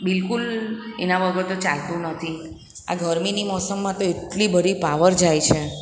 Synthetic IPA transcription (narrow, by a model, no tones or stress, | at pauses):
bɪlkulenãʋəɡəɾt̪ot͡ʃalt̪ũnət̪ʰi | a̰ɡʱəɾminimɔsəmːãt̪oeʈlibəɾipaʋəɾd͡ʒajt͡ʃʰe